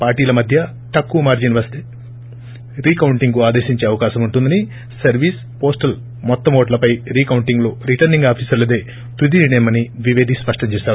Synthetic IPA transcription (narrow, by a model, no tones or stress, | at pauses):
paːɾʈiːlɐmɐd̪ʱjɐ | ʈ̪ɐkːuɐmaːɾd͡ʒinʋɐɾst̪i | ɾiːkɐwuɳʈiŋɡuaːd̪eːʃiɲt͡ʃe̞ːɐʋɐkaːʃɐmuɳʈund̪ɐni | sɐɾʋiːs | po̞ːsʈɐl | mɔt̪ːɐmoːʈlɐpɐjɾiːkɐwɳʈiŋɡlo̞ːɾiʈɐɾniŋɡaːpʰiːsɐɾled̪eː | t̪ud̪iniɳɐjmɐniʋiʋeːd̪ʱispɐʂʈɐmt͡ʃeːʃaːɾu